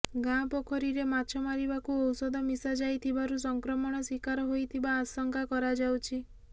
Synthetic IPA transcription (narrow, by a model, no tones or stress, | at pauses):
ɡãpɔkʰɔɾiɾemat͡ʃʰɔmaɾibakuɔwsɔd̪ʱɔmisad͡ʒajt̪ʰibaɾus̬ɔŋkɾɔmɔɽ̃ɔswikaɾɔɦojt̪ʰibaːsɔŋkakɔɾad͡ʒawt͡ʃʰi